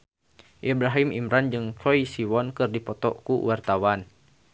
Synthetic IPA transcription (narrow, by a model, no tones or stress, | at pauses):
ʔibɾaɦimḭmɾand͡ʒɨŋt͡ʃɔisiwɔnkɨrdipɔt̪ɔ̰kuwart̪awan